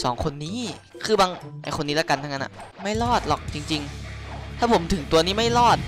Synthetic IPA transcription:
sɔ̰ː˩˦ŋkʰo˧nːiː˦˥˩ | kʰɯː˧baː˧ŋʔa̰˧jkʰo˧nːiː˦˥laː˦˥ka˧nt̪ʰa˥˩na˦˥na̰˨˩ma˥˩jlɔː˥˩t̪̚lɔ˨˩k̚t͡ɕi˧ŋt͡ɕi˧ŋt̪ʰaː˥˩pʰo˩˦mt̪ʰɯ˨˩˦ŋt̪u˧ɐniː˦˥˩ma˥˩jlɔː˥˩t̪̚

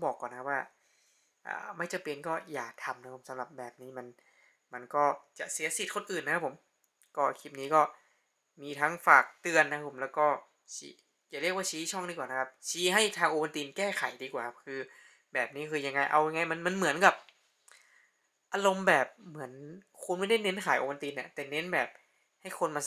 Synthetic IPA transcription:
bɔː˨˩kːɔː˨˩n˦kʰa˦˥pwaː˥˩ | ʔa̰ː˨˩ma˥˩jt͡ɕa˧˩pi˧ənkɔː˥˩jaː˨˩k̚t̪ʰa˧mna˦˥apʰo˩˦msa˨˦mɾa˨˩p̚bɛː˨˩p̚niː˦˥ma˧n | ma˧nkɔː˥˩t͡ɕa˨˩si˨˩˦si˨˩t̪̚kʰo˧nʔɯː˨˩nːa˦kʰa˦˥pʰo˩˦m | kɔː˥˩kʰi˦˥˩p̚niː˦˥kɔː˥˩ | miː˧t̪ʰa˦˥ŋfaː˨˩k̚t̪ɯ˧ənːa˧kʰa˦˥pʰo˩˦mlɛː˦˥wkɔː˥˩ | t͡ɕʰḭː˦ | jaː˨˩li˥˩k̚waː˥˩t͡ɕʰiː˧˦˧t͡ɕʰɔ˥˩ŋdiː˧kwaː˨˩nʰ˦˥a˦˥p̚t͡ɕʰiː˦˥ɦa˥˩jt̪ʰaː˧ŋʔoː˧wa˧nt̪iː˧nkɛː˥˩kʰa˩˦jdiː˧kwaː˨˩a˦˥p̚kʰɯː˧ | bɛː˨˩p̚niː˦˥kʰɯː˧ja˧ŋːa˧jʔa̰˧wja˧ŋːa˧jma˧nma˧nmɯ˨˩˦ənka˨˩p̚ | ʔaː˧lo˧mbɛː˨˩p̚mɯ˩˦ənkʰu˧nma˥˩da˥˩jne˦˥nkʰaː˨˩˦jʔo̰˧wa˧nt̪iː˧nːa˧˩t̪ɛː˨˩ne˦˥nbɛː˨˩p̚ | ha˥˩jkʰo˧nma˧

